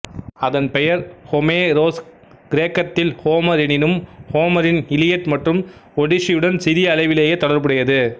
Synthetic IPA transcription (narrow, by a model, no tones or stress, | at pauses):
ɐðɐnpɛjɐɾhɔmeːɾoːs | ɡ̥ɪɾeːkɐt̪ːɪlhoːmɐɾɪnɪnɯmhoːmɐɾɪnɪlɪjɐʈmɐʈrɯmɔɽɪsɪjɯɽɐnsɪɾɪjɐːlɐɪʋɪleːjeːt̪ɔɽɐɾbɯɽɐjɐðɯ